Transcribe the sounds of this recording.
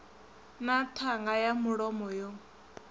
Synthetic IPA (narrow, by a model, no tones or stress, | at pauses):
natʰaŋɡajamuɺɔmɔjɔ